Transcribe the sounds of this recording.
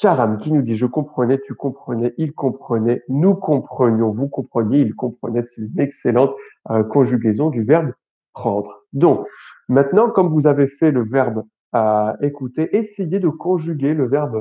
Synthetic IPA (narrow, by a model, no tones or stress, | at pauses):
ʃaʁamkʲinud̪iʒəkɔ̃pχənɛt̪ykɔ̃pχənɛʔilkɔ̃pχənɛnukɔ̃pχənjɔ̃vukɔ̃pχənjeilkɔ̃pχənɛsɛ̥t̪ynekselɑ̃t̪økɔ̃ʒyɡʲezɔ̃d̪yvɛʁb | pχɑ̃d̪ʁd̪ɔ̃kmɛ̃t̪nɑ̃kɔmvuzavefɛləvɛʁb | aekut̪eʔesejed̪əkɔ̃ʒyɡʲeləvɛʁb